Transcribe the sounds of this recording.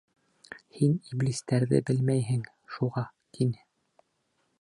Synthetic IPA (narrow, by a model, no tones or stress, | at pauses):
hiniblist̪æɾðɘ̰bɘlmæjɦɘŋ | ʃuʁɑt̪ʰinɘ